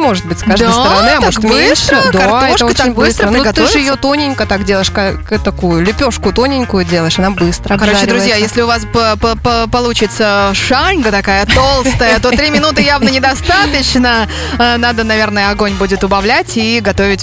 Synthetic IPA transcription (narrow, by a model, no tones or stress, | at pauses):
moʐɨt̪̚bɨtʲskaʒd̪asəɾɐnɨɐmt̪ok̪bɨst̪ɾəd̪kɐroʂkət̪akbbɨst̪ɾənɡɐt̪ɨɨɪjot̪onʲɪnʲkət̪akdʲeləɪʂk | t̪ɐkujʊlʲʊpʲo̞ʂkʊt̪o̞nʲɪnʲkʊjʊdʲelˠəjɪʂɐnabɨst̪ɾəkɐɾot͡ɕɪd̪ɾʊzʲjajesʲlʲɪʊvaspəpəpəpɐlˠut͡ɕɪt̪səʂanɡət̪ɐkajət̪o̞lˠst̪əjət̪o̞t̪ɾʲimʲɪnut̪ɨjavnənʲɪd̪ɐst̪at̪ət͡ɕnə | nad̪ənɐvʲe̞rnəjəɐɡo̞nʲbudʲɪt̪ʊbɐvlʲætʲiɡɐt̪o̞vʲɪtʲ